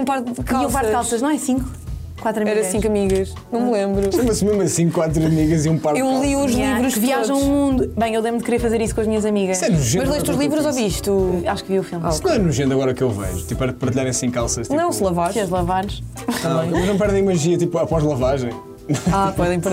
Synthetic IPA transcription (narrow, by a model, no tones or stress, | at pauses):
paɾt̪ðkaiɐ̃vaɾkalˠsɐʃnɐ̃w̃ɛsĩŋku | kwat̪ɾɐmɛiɾɐsĩŋkɐmiɣɐʃ | nɐ̃w̃mlˠẽmbɾuɛmɐsmemɐsĩkkːwat̪ɾuɐmiɣɐziũpaɾtewlˠiuʒlˠivɾuʃviaʒɐ̃w̃umũnd̪ubɐ̃j̃ewd̪emd̪̚kɾeɾfɐzeɾiskõɐʒmiɲɐzɐmiɣɐʃɛnuʒẽmɐʒlˠɐjʃt̪uʒlˠivɾuzoviʃt̪uaʃkviufilˠmsnɐ̃w̃ɛnuʒẽnd̪ɐɣɔɾɐkewvɛ̰ʒut̪ipɛɾɐðpɐɾt̪iʎaɾɐ̃j̃sĩŋkːalˠsɐʃt̪niɐ̃w̃slˠɐvaɾʃkiɐðlˠɐvaɾʃ | ɐ̃bɐ̃j̃eɐʒnɐ̃w̃pɛɾðɐ̃j̃mɐʒiɐt̪ipuɐpɔʒlˠɐvaʒɐ̃j̃ | afoðɐ̃j̃pɐɾ